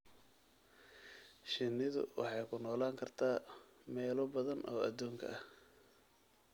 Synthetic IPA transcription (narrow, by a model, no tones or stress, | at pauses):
ʃɪnːɪðʊ̰wɑ̰ħɑjkʰʊnɔːlaːŋkʰɐrt̪ʰaːmɛːlɔbɐðɐnʔɔːɐ̰d̪uːŋkʰɐ̰ʔɐh